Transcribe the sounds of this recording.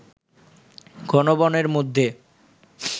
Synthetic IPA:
ɡɔnobɔneɾmod̪ʱːe

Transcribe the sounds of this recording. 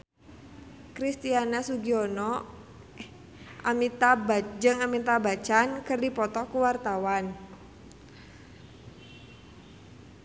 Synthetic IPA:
kɾist̪ianasuɡiɔnɔ | ʔamit̪abad͡ʒɨŋamint̪abat͡ʃankɨrdipɔt̪ɔkuwart̪awan

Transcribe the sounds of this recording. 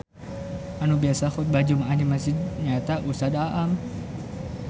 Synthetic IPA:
anubiasaxut̪̚bad͡ʒumaʔanimasid̪̚ɲat̪aʔusad̪aʔam

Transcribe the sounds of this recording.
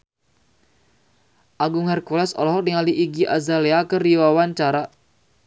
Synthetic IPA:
ʔaɡʊŋhɛrkulɛsɔ̰lɔɦɔk̚dəŋaliʔːɡiʔa̰zaleakəriwawant͡ʃaɾa

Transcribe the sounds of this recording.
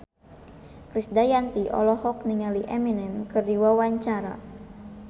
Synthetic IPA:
kɾisdajant̪iʔɔ̰lɔhɔk̚niŋaliʔɛminɛnkɨrdiwawaɲt͡ʃaɾa̰

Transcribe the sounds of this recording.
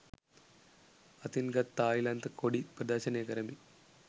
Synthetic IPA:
ɐt̪inɡɐt̪ːaːjilɐnt̪ɐkoɽipɾɐd̪aːʃɐneːkɐɾɐmi

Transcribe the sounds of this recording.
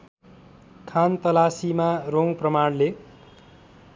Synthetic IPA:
kʰant̪ʌlasimaroŋprʌmaɽle

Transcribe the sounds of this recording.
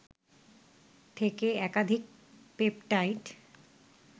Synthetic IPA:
t̪ʰekeɛkad̪ʱik̚ | pepʈajʈ

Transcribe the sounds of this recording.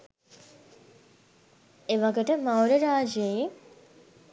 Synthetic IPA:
eʋaɡəʈəmawɾəɾaːd͡ʒeje

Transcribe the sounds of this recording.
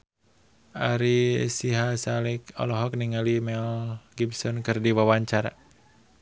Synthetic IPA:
ʔaɾisiɦasalikɔ̰lɔɦɔk̚niŋalimɛlɡipsɔnkɨrdiwawaɲt͡ʃaɾa

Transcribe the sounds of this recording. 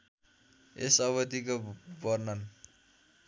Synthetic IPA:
esʌβʌt̪ikobʌrnʌn

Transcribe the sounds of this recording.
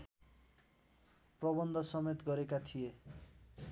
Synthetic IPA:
prʌbʌnd̪ʱʌsʌmet̪ɡʌɾekat̪ʰije

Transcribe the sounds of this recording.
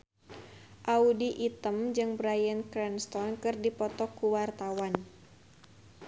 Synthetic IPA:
ʔaudiʔit̪əmd͡ʒɨŋbɾajənkɾɛnst̪ɔnkɨrdipɔt̪ɔkuwart̪awan

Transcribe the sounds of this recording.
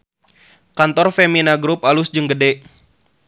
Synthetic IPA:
kant̪ɔrfeminaɡɾupalusd͡ʒɨŋɡədɛʔ

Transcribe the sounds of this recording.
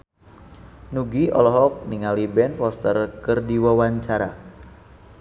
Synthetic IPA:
nuɡiʔɔ̰lɔɦɔk̚niŋalibɛnfɔst̪ərkɨrdiwawaɲt͡ʃaɾa

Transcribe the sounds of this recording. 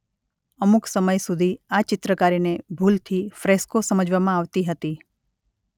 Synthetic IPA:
əmuksəməjsud̪ʱiat͡ʃɪt̪ɾəkaɾinebʱult̪ʰifɾeskosəməd͡ʒʋamãaʋt̪iɦət̪i

